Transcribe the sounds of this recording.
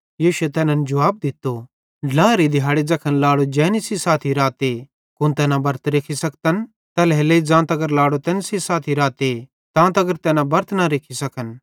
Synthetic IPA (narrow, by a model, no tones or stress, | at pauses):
jiːʃet̪ɛːnɐnd͡ʒɐʋaːb̚d̪ɪt̪ːo | laːɾid̪ʱɪɦaːɽed͡zɐkʰənlaːɽod͡ʒɛ̃ːnisisaːt̪ʰiɾaːt̪e | kʊ̃nt̪ɛːnãbɐɾt̪ɾeːkʰisɐk̚t̪ən | t̪ɐlɦeːleid͡zãːt̪ɐɡəɾlaːɽot̪ɛ̃ːnsisaːt̪ʰiɾaːt̪e | t̪ãːt̪ɐɡəɾt̪ɛːnãbɐɾt̪naɾeːkʰisɐkʰən